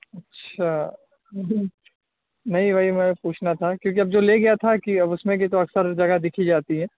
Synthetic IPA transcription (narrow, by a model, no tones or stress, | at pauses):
ɐtːʃʰa | nɐɦĩbʱaːimɛpuːt͡ʃʰnat̪ʰakjõːk̬iɐb̚d͡ʒoːleɡɐjat̪ʰakiɐbʊsmẽk̬it̪̬oɐksəɾd͡ʒɐɡad̪ɪkʰid͡ʒaːt̪iɦɛː